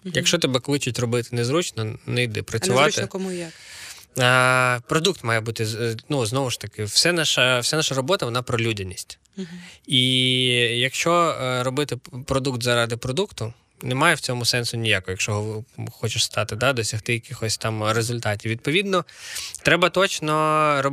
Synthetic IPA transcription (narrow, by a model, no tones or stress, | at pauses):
jɐkʃt͡ʃɔt̪ɛbɛklˠɪt͡ʃʊtʲrɔbɪt̪ɪnɛzɾut͡ʃnɔnɛjd̪ɪ̰pɾɐt͡sʲʊʋɑɪkɔmuja | pɾɔd̪ukt̪mɑjɛbut̪ɪnuznɔʋʊʃt̪ɐkɪwsɛnɑʃɐwsʲanɑʃɐɾɔbɔt̪ɐʋɔnɑpɾɔlʲudʲɐnʲisʲtʲ | i | jɐkʃt͡ʃɔrɔbɪt̪ɪpɾɔd̪ukt̪zɐɾɑd̪ɪpɾɔd̪ukt̪ʊ | nɛmɑjɛwt͡sʲɔmʊsɛnsʊnʲijakɔɦjɐkʃt͡ʃɔɦɔxɔt͡ʃɪʃst̪ɑt̪ɪd̪ɑd̪ɔsʲɐxt̪ɪjɐkɪxɔsʲt̪ɑmrezʊlʲt̪ɑtʲiwʋʲid̪̚pɔʋʲid̪nɔt̪ɾɛbɐt̪ɔt͡ʃnɔɾɔ